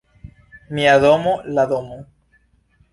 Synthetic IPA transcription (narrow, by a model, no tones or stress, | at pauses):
miaðomolaðomo